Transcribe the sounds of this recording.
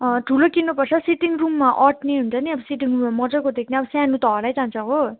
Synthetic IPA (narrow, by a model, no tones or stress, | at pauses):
ʈʰulokinːupʌrt͡sʰʌsiʈiŋrumːaʔʌʈʰneɦunt͡sʰʌniʌbʌsiʈiŋrumːamʌd͡zʌrkod̪ekʰneʌbʌsanut̪ʌɦʌlajt͡sãnt͡sʰʌ̃ɦo